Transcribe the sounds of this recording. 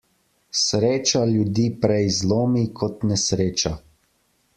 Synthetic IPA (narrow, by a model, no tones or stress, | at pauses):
sɾeːt͡ʃaljud̪iːpɾɛizloːmikʰɔt̪nɛsɾeːt͡ʃa